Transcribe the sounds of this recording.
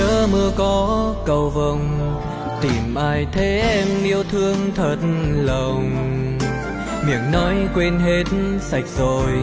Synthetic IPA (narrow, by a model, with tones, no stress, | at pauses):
əː˨˦mɨ˧əkɔ˨˦kə˧˩wvə˧˩wŋ͡m | t̪i˨˩mʔaː˧jt̪ʰe˨˦ʔɛ˧mʔi˧əwt̪ʰɨ˧əŋt̪ʰə˨˩t̚lə˨˩wŋ͡m | mḭ˧˩əŋnɔ˨˦jkwe˧nɦe˦t̚sa˨˩jk̚zo˨˩j